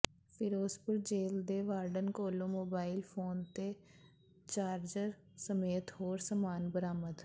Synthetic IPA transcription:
pʰɪɾoːspʊɾd͡ʒeːld̪eːʋaːɾɖənkoːlõːmoːbaːilpʰoːnt̪eː | t͡ʃaːɾd͡ʒəɾ | səmeːt̪ɦoːɾsəmaːnbəɾaːməd̪

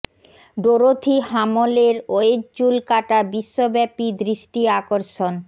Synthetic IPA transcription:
ɖoɾot̪ʰihamoleɾoed͡ʑd͡ʑulkaʈabiʃːobɛpid̪ɾiʃʈiakoɾʃon

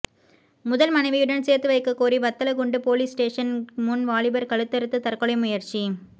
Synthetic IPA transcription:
mʊðɐlmɐnɐɪʋiɯɽɐnseːt̪ːɯʋɐɪkːɯkːoːɾibɐt̪ːɐlɐkʊɳɖɯpoːliːsʈeːʂɐnmʊnʋaːɭɪbɐɾkɐɭɯt̪ːɛɾɯt̪ːɯt̪ɐɾkɔɭɐɪmʊjɐɾt͡ʃi

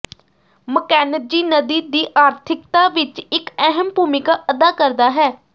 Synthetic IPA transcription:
məkɛːnəd͡ʒiːnəd̪iːd̪iːʔaːɾt̪ʰɪk̚t̪aːʋɪt͡ʃɪkɛɦəmpuːmɪkaːʔəd̪aːkəɾd̪aːɦɛː

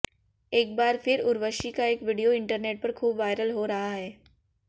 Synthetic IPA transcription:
eːk̚baːɾfʰɪɾʊɾʋəʃikaeːkʋɪɖijoɪ̃ɳʈəɾneːʈ̚pɐɾkʰuːbʋaːjɾəlɦoɾɐɦaɦɛː

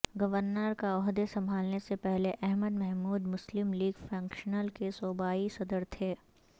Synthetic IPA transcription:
ɡɐʋəɾnəɾkaɔːɦd̪esɐ̃mbʱaːlnesepɛɦleʔɛɦməd̪mɛɦmuːd̪mʊslɪmliːɡfɐ̃ŋkʃənəlkesoːbaːisɐd̪əɾt̪ʰeː

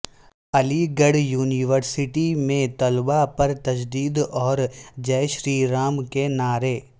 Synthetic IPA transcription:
ɐliɡəɽjuːniʋəɾsɪʈimẽt̪ɐlbapɐɾt̪ɐd͡ʒd̪iːd̪ɔːɾd͡ʒɐjʃɾiːɾaːmkenaːɾeː

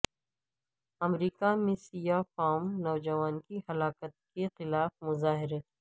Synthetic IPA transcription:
ɐmɾiːkamɪ̃sijafaːmnɔːd͡ʒɐʋaːnkihɐlaːkət̪̚kexɪlaːfmʊzaːɦɪɾe

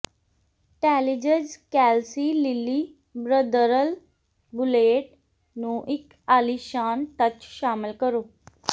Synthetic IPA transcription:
ʈɛlid͡ʑəd͡ʑkɛlsilili | bɾəd̪əɾəl | buleːʈ̚ | nũːʔik | aliɕaːnʈ̪ət͡ɕʃaːməlkəɾoː

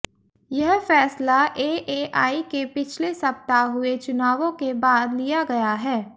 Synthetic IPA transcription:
jɐɦfɛːslaʔeːʔeʔaːikepɪt͡ʃʰlesɐp̚t̪aɦʊet͡ʃʊnaːʋõkebaːd̪lijaɡɐjaɦɛː

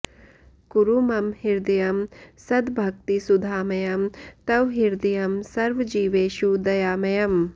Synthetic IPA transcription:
kuɾumɐmhiɾd̪ɐjɐmsɐd̪bʱɐkt̪isud̪ʱaːmɐjɐmt̪ɐʋɦiɾd̪ɐjɐmsɐɾʋɐd͡ʒiːʋeːʃud̪ɐjaːmɐjɐm

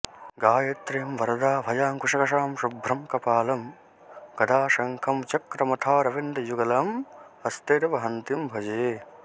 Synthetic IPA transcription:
ɡaːjɐt̪ɾeːmʋɐɾɐd̪aːbʱɐjaːmkuʂɐkɐʂaːmʃubʱɾɐmkɐpaːlɐm | kɐd̪ʱaːʃɐŋkʰɐmt͡ʃɐkɾɐmɐt̪ʰaːɾɐʋind̪ɐjuɡɐlɐːm | ɐst̪eːt̪ɐʋɐɦɐnt̪imbʱɐd͡ʒeː

